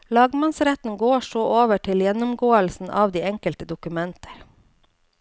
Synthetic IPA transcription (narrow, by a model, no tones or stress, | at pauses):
lɑːɡmɑnsɾɛt̪n̩ɡoːʃoːʔoːʋəʈʰɪljɛnʊmɡoːəlsn̩ʔɑ̰ːʋd̪iːɛŋkəlt̪əd̪ʊkʉmɛnt̪ʰə̥ɾ